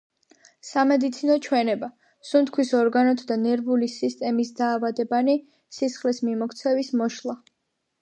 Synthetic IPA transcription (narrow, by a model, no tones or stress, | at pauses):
samɛd̪it̪sʰinɔt͡ʃʰwɛnɛba | sunt̪kʰwisɔɾɡanɔt̪ʰd̪anɛɾbulisist̪ʼɛmisd̪aːvad̪ɛbani | sisχlismimɔkʰt̪sʰɛvismɔʃlˠa